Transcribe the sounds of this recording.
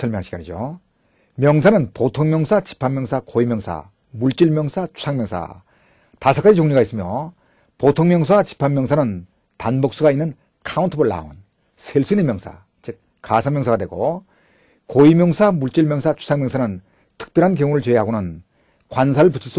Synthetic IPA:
sʰʌɭmjŋɦaɭɕi̥ɡaɲid͡ʑo̰ | mjʌŋsʰanɯnpotʰoŋmjʌŋsʰat͡ɕi̥pʰamːjʌŋsʰakoimjʌŋsʰa̰ | muɭt͡ɕ͈iɭmjʌŋsʰat͡ɕʰu̥sʰaŋmjʌŋsʰa̰ | tasʰʌk͈ad͡ʑit͡ɕoŋɲiɡais͈ɯmjʌ | potʰoŋmjʌŋsʰat͡ɕi̥pʰammjʌŋsʰanɯn | tanbok̚s͈uɡainːɯn | kʰauntʰɯbɯɭːa̰o̰n | sʰeɭs͈uinemjʌŋsʰa̰ | t͡ɕʰek̚ | k͈asʰamjʌŋsʰaɡadwe̞ɡo̰ | koimjʌŋsʰamuɭt͡ɕ͈iɭmjʌŋsʰat͡ɕʰu̥sʰaŋmjʌŋsʰanɯn | tʰɯ̥k̚p͈jʌɾɦank̬jʌŋuɾɯɭt͡ɕeeɦaɡonɯn | kwans̬ʰaɾɯɭputʰɯs͈u

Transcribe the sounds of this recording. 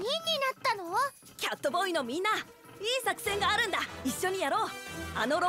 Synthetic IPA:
ɲĩɲːinat̪ːanoa | kʲat̪ːobo̞ino̞mʲĩnːa | iːsakɯ̟̥sẽ̞ŋɡaːɾɯ̟̃nd̪aiɕːo̞ɲ̟ijaɾo̞ːa̰no̞ɾo

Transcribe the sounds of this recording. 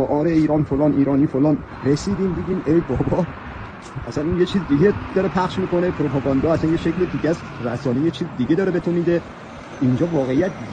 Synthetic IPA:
ɒʔɒːɾeiːɾɒːnfolɒːnʔiːɾɒːniːfolɒːn | resiːd̪iːmd̪iːd̪iːmejbɒːbɒ | ʔæsænunjet͡ʃʰiːzid̪iɟed̪ɒɾepʰæχʃmiːko̞nepʰɾopʰɒɡɒnd̪ɒːæsænjeʃecʰlid̪iːɟæs | ræsɒːnejet͡ʃʰiːzid̪iɟe̞d̪ɒːɾebet̪ʰomiːd̪e | ʔind͡ʒɒːvɒːɣe̞ijæt̪̚

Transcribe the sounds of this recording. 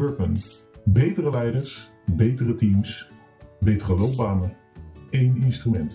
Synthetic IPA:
øɹpən | bejtərəlɛjdəɹs | bejtərətims | bejtərəlowp̚baːnə | ejnɪnstrymɛnt

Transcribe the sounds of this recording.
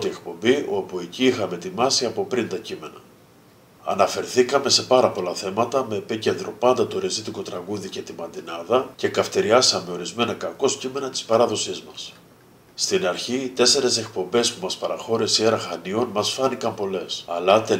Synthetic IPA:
t̪iekpo̞mbio̞pueciixɐme̞t̪imɐsiɐpo̞pɾint̪ɐcime̞nɐ | ɐ̰nɐfe̞ɾθikɐme̞se̞pɐɾɐpo̞lɐθe̞mɐt̪ɐme̞ːpice̞nd̪ɾo̞pɐnd̪ɐt̪o̞ɾizit̪iko̞t̪ɾɐɣuðice̞t̪imɐnd̪inɐðɐce̞kɐft̪eɾiɐsɐme̞o̞ɾizme̞nɐkɐko̞scime̞nɐt̪i̥spɐɾɐðo̞sizmɐs | st̪inɐɾçit̪e̞se̞ɾe̞se̞k̚po̞mbe̞spumɐspɐɾɐxo̞ɾesieɾɐxɐnio̞nmɐsfɐnikɐmpo̞le̞sɐ̰lɐt̪e

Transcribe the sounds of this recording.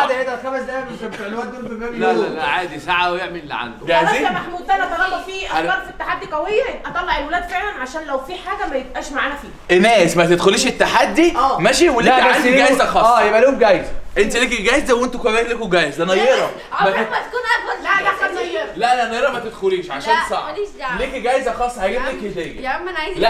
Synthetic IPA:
d̪æʔed̪æt̪xæmæd̪æment̪æbt̪eʕlːohæd̪olfemæːblælælæʕaːd̪isaʕawjeʕmellːḭʕa̰nd̪oæziæmaħmuːd̪̚fænæt̪ˤɑlːɑbɑfiːʔɾɑɾfit̪ːaħad̪ːiqɑwejːæʔɑt̪ˤɑlːɑʕelwelæːd̪feʕlænʕaʃæːnlæwfiːħaːɡæmæjebʔæːʃmaʕaːnæfiːʔenæːsmæt̪ed̪xoliːʃet̪ːaħad̪ːiʔæːmæʃiwelekʕaniɡæjzæxɑːjebʔæliomɡæjezʔent̪ilikiɡæjezd̪æwʔent̪ukæbæːhlekoɡæjezænɑjjːeɾˤɑ | mæmæt̪kuːnʔæælæææjːɾlæʔlæʔnɑjeɾˤɑmæt̪ed̪xoliːʃʕaʃæːnsˤɑʕliːkiɡæjzæxɑːsˤːɑhæɡed̪leket̪æːjæmænʕlæ

